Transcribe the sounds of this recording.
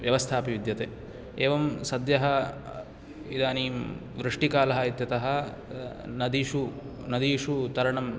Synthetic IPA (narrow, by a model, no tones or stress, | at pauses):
ʋjɐʋɐst̪ʰaːpiʋid̪jɐt̪eː | eːʋɐmsɐd̪jɐɦɐ | id̪aːnim | ʋɾɨʂʈikaːlɐɦɐit̪jɐt̪ɐɦɐ̆ | nɐd̪iʂu | nɐd̪iːʂut̪ɐɾɐɳɐm